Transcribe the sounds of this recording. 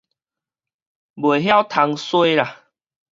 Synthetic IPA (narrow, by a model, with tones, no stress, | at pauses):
bwe˨˩ɦja˦wt̪ʰa˧ŋswe˦la˨